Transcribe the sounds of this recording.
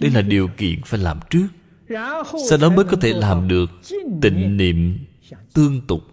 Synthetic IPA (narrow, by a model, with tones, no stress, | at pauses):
ɗə˧jlaː˨˩ɗi˨˩əwkḭ˧˨ənfaː˧˩jlaː˨˩mt͡ɕɨ˦˥ək̚ | sa˧wɗɔ˨˦məː˨˦jkɔ˨˦t̪ʰe˧˩laː˨˩mɗɨ˨˩ək̚t̪ḭ̈˧˨ŋ̟nḭ˧˨əm | t̪ɨ˧əŋt̪ʊ˨˩k͡p̚